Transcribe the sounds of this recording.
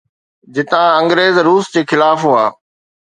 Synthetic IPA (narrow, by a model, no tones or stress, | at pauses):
d͡ʑɪt̪ãɐ̃ŋɡɾeːzɾuːsd͡ʑeːxɪlaːfɦoaː